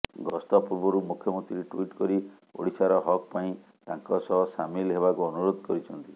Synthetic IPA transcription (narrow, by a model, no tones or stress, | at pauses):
ɡɔst̪ɔpuɾbɔɾumukʰjɔmɔnt̪ɾiɾiʈwiʈkɔɾi | o̰ɽisaɾɔɦɔk̚paĩ | t̪aŋkɔsɔɦɔsamilɦebakuɔnuɾod̪ʱɔkɔɾit͡ʃʰɔnt̪i